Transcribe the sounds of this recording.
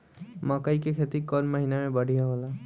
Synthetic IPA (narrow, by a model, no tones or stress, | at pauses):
makajkekʰet̪ikːɔnmaɦinaɹɛbaɖʱijaɦɔla